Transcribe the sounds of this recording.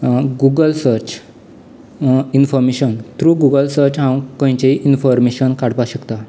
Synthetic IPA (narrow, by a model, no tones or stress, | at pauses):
ɡuɡəlsəɾt͡ɕ | infɔɾmeɕənt̪ɾuɡuɡəlsəɾt͡ɕɦãwkɔ̃j̃t͡ɕeiʔinfɔɾmeɕənkaɽpaɕəkt̪a